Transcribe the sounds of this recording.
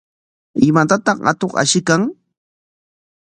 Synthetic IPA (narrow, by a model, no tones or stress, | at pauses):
ɪmat̪at̪ɑχɢɑ̰t̪oχa̰ʃɪkaŋ